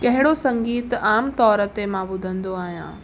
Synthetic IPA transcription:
kɐɦɪɽosɐ̃ŋɡiːt̪aːmt̪ɔːɾət̪emãbʊd̪ʱə̃nd̪oaːɦijã̰ː

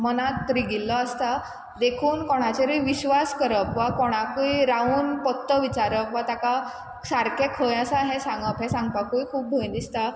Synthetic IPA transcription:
mənat̪ːɾiɡilːəəst̪a | d̪ekʰuːnkɔɽ̃at͡ɕeɾiiʋiɕʋaskəɾəpʋakɔɽ̃akuiɾauːnpɔt̪ːəʋit͡ɕaɾəkʋat̪aka | saɾkekʰəjəsaɦɛ̃sãŋɡəpɦɛ̃sãŋɡ̚pakuikʰuːp̚bʱəj̃nd̪ist̪a

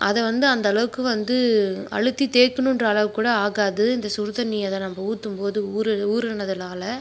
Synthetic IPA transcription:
ʔɐðɛʋɐnd̪ɯɐnd̪ɐɭɐʋɯkːɯʋɐnd̪ɯɐ̰ɻɯt̪ːit̪eːkːɯɳɯndrɐːɭɐʋɯkːuːɽɐaːɣaːðɯɪnd̪ɐsʊɾðɐniːɐðɛnɐmːɐuːt̪ːɯmpoːðɯuːɾɯuːɾɯɳːɐðɪlaːlɐ

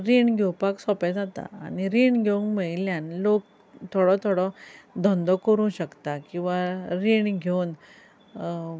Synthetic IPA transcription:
ɾiɳɡʱewpaksɔpɛ̃d͡zat̪a̰a̰niɾiɳɡʱeunkmeiljãnlok̚ | t̪ʰoɽɔt̪ʰoɽɔd̪ʱɔ̃nd̪ɔkəɾũːɕəkt̪akĩw̃ʋaɾiɳɡʱewn

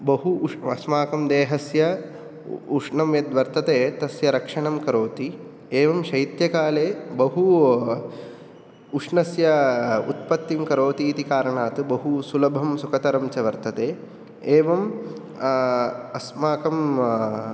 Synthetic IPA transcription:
bɐɦuɐsmaːkɐmd̪eːɦɐsjɐ | uʂɳɐmjɐd̪ʋɐɾt̪ɐt̪eːt̪ɐsjɐɾɐkʂɐɳɐmkɐɾoːt̪i | eːʋɐmʃɐjt̪jɐkaːleːbɐɦu | uʂɳɐsjɐut̪pɐt̪ːimkɐɾoːt̪iːt̪ikaːɾɐɳaːt̪ɨbɐɦusulɐbʱɐmsukɐt̪ɐɾɐmt͡ʃɐʋɐɾt̪ɐt̪eː | eːʋɐm | ɐsmaːkɐm

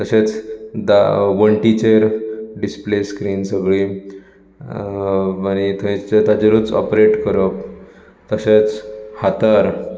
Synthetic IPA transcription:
t̪əɕet͡sd̪aʋəɳʈit͡ɕeɾɖispleskɾiːnsəɡɭiː | añit̪ʰəĩt͡ɕt̪ad͡ʑeɾut͡sɔ̰pɾeʈkəɾəp̚ | t̪əɕet͡shat̪aɾ

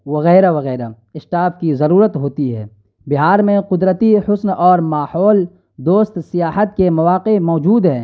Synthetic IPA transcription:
ʋɐɣɛːɾaʋɐɣɛːɾa | ɪʃʈaːfkizɐɾuːɾət̪ɦoːt̪iɦɛ̰ː | bɪɦaːɾmẽqʊd̪ɾət̪ihʊsnɔːɾmaːhɔːl | d̪oːst̪sɪjaːɦət̪̚kemɐʋaːqemɔːd͡ʒuːd̪ɦɛ̃ː

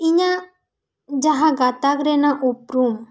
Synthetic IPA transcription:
iɲa | d͡ʒaɦãɡat̪akɾɛnaʔupɾum

